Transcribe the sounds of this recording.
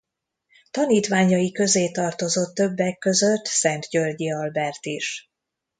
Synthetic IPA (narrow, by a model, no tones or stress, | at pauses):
t̪ɒniːt̪ʋaːɲɒjikø̞zeːt̪ɒrt̪o̞zo̞t̪ːøbːɛkːø̞zøt̪ːsɛnt̪jørɟiɒlbɛrt̪iʃ